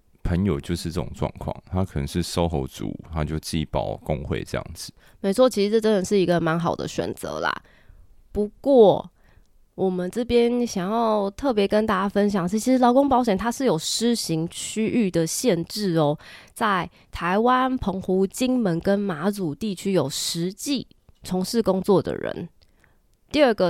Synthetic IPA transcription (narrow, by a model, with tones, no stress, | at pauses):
pʰə˧˦njo˨˩ʊt͡ɕjo˥˧ʊʂɻ̩˥˧ʈ͡ʂə˥˩ʈ͡ʂo̰˨˩ŋʈ͡ʂwɑ̰˥˧ŋkʰwɑ̰˥˩ŋt̪ʰa˦kʰə˨˩nə̰˧˦ŋʂɻ̩˥˩so˥ʊxo̰˧˥ʊt͡sṵ˨˦t̪ʰa˦t͡ɕjo˥˧ʊt͡ɕi˥˨pɑ˨˩ʊkʊ˦˥ŋxwḛ˥˧ɪʈ͡ʂɤ˥˧jɑ̰˥˩ŋd͡zɹ̩˨˩˦ | me˧˥ɪt͡sʰwɔ˥˩t͡ɕʰi˧˥ʂɻ̩˧ʈ͡ʂɤ˥˩ʈ͡ʂə˦nə˨nʂɻ̩˥˩i˧˥ɡə˨˧ma˧˥nxɑ˨˩ʊd̪ə̰˦ɕɥɛ̰˨˩nt͡sɤ̰˧˦la̰˨˩ | pu˧˥kwɔ˥˩ | wʔɔ˨˩mə˨nʈ͡ʂɤ˥˩pjɛ˦˥nɕjɑ˨˩ŋjɑ˥˧ʊt̪ʰɤ˥˩pjɛ˧˥kə˦nt̪a˥˩t͡ɕja˥fə˦nɕ̬jɑ˨˩ŋt͡ɕʰt͡ɕʰi˧˥ʂɻ̩˧˥lɑ˧˥ʊko˥ŋpɑ˧˥ʊɕɥɛ˨˩nt̪ʰa˥ʂɻ̩˥˩jo˨˩ʊʂɻ̩˥ɕi˧˥ŋt͡ɕʰy˥ʔy˥˩d̪ə˩ɕjɛ˥˧nʈ͡ʂɻ̩˥˩ɔ˦t͡sa˥˩ɪ | t̪ʰa˧˥ɪwa˦npʰɤ˧˥ŋxu˧˥t͡ɕi˥ŋmə˧˦nkə˦nma˧˥t͡su˨˩t̪i˥˩t͡ɕʰy˥jo˨˩ʊʂɻ̩˧˦t͡ɕi˥˩ | t͡sʰo˧˥ŋʂɻ̩˥˩kʊ˥ŋt͡swɔ˥˨d̪ə̰˩ɻə̰˧˦n | t̪i˥˧ə˥˩ɡə˨